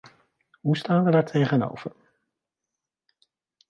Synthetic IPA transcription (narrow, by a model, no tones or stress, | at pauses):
ɦustaːnʋədaːɹtʰejχəno̰wv̥əɹ